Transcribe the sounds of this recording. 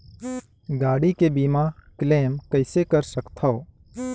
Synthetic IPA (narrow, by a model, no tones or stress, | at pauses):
ɡaːɽikebiːmãkleːmkəɪsekəɾsəkt̪ʰaoː